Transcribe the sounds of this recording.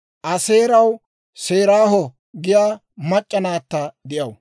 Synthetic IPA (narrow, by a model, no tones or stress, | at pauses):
ʔɐse̞ːɾɐw | se̞ːɾaːɦɔ | ɡɪjaː | mɐt͡ʃʼːɐnaːt̪ːɐd̪ɪjɐw